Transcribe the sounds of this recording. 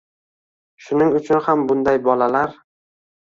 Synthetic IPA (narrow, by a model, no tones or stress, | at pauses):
ʃʊnɪŋʊt͡ʃʰʊnhambʊnd̪ajbɒlalaɾ